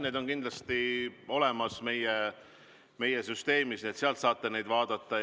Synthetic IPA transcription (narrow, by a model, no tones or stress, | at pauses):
ned̪o̞nkind̪lɑst̪io̞le̞mɑsme̞je | me̞jesyst̪e̞ːmiset̪seɑlt̪sɑːt̪ˑːene̞jd̪vɑːd̪̥ɑt̪ːˑɑ